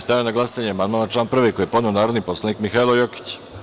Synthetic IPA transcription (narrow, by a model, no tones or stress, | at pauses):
st̪ajanaɡlˠasaɲeamand̪̚maːnat͡ʃlaːnpr̩ʋekojepo̞d̪ne̞onaːɾod̪niposlˠanikmixailˠojoki̥t͡ɕ